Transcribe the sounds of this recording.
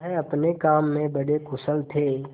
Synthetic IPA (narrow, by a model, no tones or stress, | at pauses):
ɦɛɐpnekaːmːẽbɐɽekʊsəlt̪ʰeː